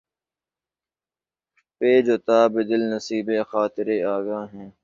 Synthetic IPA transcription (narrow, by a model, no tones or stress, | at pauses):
peːd͡ʒot̪aːbɪd̪ɪlnəsiːbeːxaːt̪ɪɾeːaːɡaːɦɛ̃ː